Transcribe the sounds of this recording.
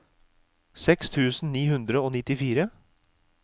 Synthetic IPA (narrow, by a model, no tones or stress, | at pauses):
sɛkst̪ʰʉːsn̩niːhʉnd̪ɾəoːnɪt̪ɪfiːɾə